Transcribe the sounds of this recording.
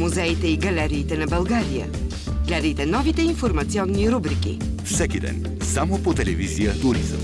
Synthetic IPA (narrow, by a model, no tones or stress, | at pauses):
muzɛjt̪ɐiɡɐlɛɾit̪ɐnɐbɐlˠɡaɾiɐ̰ | ɡlɛɾit̪ɐnɔvit̪ɐĩfuɾmɐsiɔ̃nniɾubɾikḭfsɛkid̪ɛ̰n | samopot̪ɛlɛviziət̪uɾḭz̰m